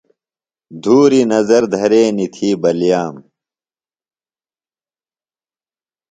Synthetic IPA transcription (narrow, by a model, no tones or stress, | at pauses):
d̪ʱuːɾinɐzɐɾd̪ʱɐɾeːnit̪ʰiːbɐljaːm